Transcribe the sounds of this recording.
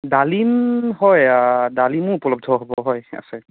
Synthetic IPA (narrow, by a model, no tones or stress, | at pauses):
dalinɦɔjadalimʊupɔlɔb̚dʱɔɦɔbɔɦɔja̰sɛ